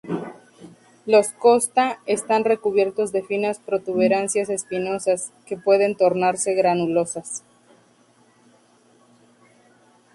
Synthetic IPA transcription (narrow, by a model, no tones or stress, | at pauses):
lo̞sko̞st̪aest̪anre̞kuβje̞ɾt̪o̞zðe̞finaspɾo̞t̪uβe̞ɾansjase̞spino̞saske̞pwe̞ð̞e̞nt̪o̞ɾnaɾse̞ɣɾanulo̞sas